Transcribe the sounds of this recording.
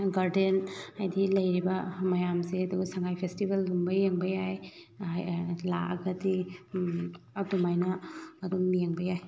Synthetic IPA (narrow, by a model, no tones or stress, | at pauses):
ɡaɾdenajdilɐjɾibɐmɐjamseɐduɡsaŋajpʰestibeldumbɐjeŋbɐjaj | ajla̰ɐ̰ɡɐdi | atumajnaːdumijeŋbɐjaj